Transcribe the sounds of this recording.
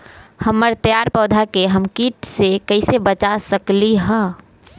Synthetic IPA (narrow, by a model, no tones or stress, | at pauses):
həmːəɾt̪jaːɾpɔːd̪ʱakeɦəmkiːʈsekəɪsebət͡ʃasəkliɦɛ̃ː